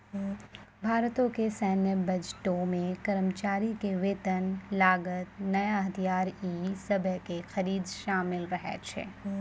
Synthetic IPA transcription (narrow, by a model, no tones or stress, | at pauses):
bʱaːɾt̪õkesɛːnjəbɐd͡ʒʈõmẽkɐɾəmt͡ʃaːɾikeʋeːt̪ənlaːɡət̪̚nɐjaɦɐt̪ʰijaːɾiːsɐbʱəkexɐɾiːd̪ʃaːmɪlɾɐɦɛ̰t͡ʃʰḛː